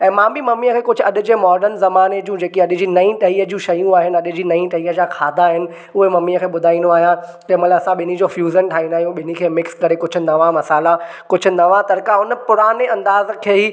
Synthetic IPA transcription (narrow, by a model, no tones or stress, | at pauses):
ɛ̃ːmãːbʱimɐmiːəkʰeːkʊd͡ʑʱʰʊɐɗʊ̆d͡ʑemɔːɾɖəɾnzɐmaːned͡ʑũd͡ʑeːkiɐɗɪd͡ʑiːnɐĩʈɐiːɦəd͡ʑũʃɐjũaːɦɪnɪ̆ɐɗʊ̆d͡ʑiːnɐĩʈɐɦiːɦəd͡ʑakʰaːd̪ʱaɦɪnɪ̆ | ʊɦemɐmiːəkʰeːɓʊd̪ʱaːĩnd̪oaːɦijã | d͡ʑɐmɐlaɐsãɓɪnid͡ʑoːfjuːzənʈʰaːĩnd̪aːɦijũɓɪnikʰeːmɪkskɐɾekʊd͡ʑʰʊ̆nɐʋãmɐsaːla | kʊd͡ʑʰʊnɐʋãt̪ɐɾkaɦʊnə̆pʊɾaːneɐ̃nd̪aːzkʰeːɦi